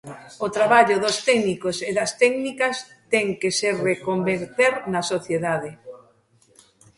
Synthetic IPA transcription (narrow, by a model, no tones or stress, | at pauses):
ot̪ɾaβaʎʊðost̪ɛɡnikoseðɐst̪ɛɡnikɐs | t̪ɛŋkeserekombeɾt̪eɾnɐsoθjeðaðe